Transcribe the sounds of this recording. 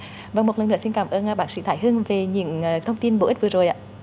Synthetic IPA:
və˧˩ŋmo˨˩t̚lə˨˩nɨ̰˧˥əsi˧nkaː˧˩mʔəː˧n˧˩ɓaː˧˩nsḭ˧˥t̪ʰaː˧˩jɦɨ˧əŋve˨˩ɲɨ̰˧˥əŋː˨˩t̪ʰə˧wŋ͡mt̪i˧nɓo˧˩ʔi̟˦˥vɨ˨˩ə˩zo˨˩jʔa̰ː˧˦

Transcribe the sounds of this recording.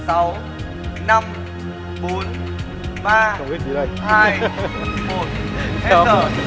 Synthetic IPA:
sa˨˦w | na˧m | ɓo˨˦n | ɓaː˧ɔ˨i˦˥t͡ɕi˨˦ɗə˧jhaː˧jmo˨˩t̚ɛ˦˧əː˧˩

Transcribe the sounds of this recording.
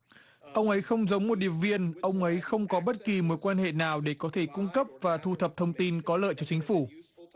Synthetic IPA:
ʔə˧wŋ͡mʔə˨˦jxə˧wŋ͡mzə˨˦wŋ͡mmo˨˩t̚ɗi˧˨əmvi˧ənʔə˧wŋ͡mʔə˨˦jxə˧wŋ͡mkɔ˨˦ɓə˦˥t̚ki˨˩mo˨˦jkwaː˧nhḛ˧˨naː˨˩wɗe˧˩kɔ˨˦t̪ʰe˧˩kʊ˧ŋ͡mkə˦˥p̚vaː˨˩t̪ʰu˧t̪ʰə˨˩p̚t̪ʰə˧wŋ͡mt̪i˧nkɔ˨˦lə̰ː˧˨jt͡ɕɔ˧t͡ɕï˨˦ŋ̟fu˧˩

